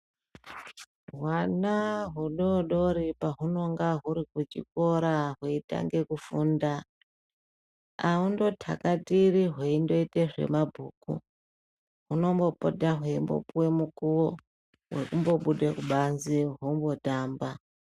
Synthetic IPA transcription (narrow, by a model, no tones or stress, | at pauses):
ɦwanaɦuɗoɗo̞ɾipaɦuno̞ŋɡaɦuɾikut͡ʃḭko̞ɾaɦweita̰ŋɡe̞kufuːnda | undo̞tʰa̰katiɾiɦweindo̞iteʐe̞̰mabʱuːkṵ | ɦuno̞mbo̞po̰daɦweimbo̞̰puwe̞mukuwo | we̞kumbo̞ɓuɗekuɓanziɦombo̞taːmba